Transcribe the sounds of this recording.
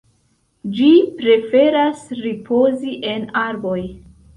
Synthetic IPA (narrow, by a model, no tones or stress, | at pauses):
d͡ʒipɾe̞fe̞ɾasɾipʰo̞ziʔe̞naɾbo̞j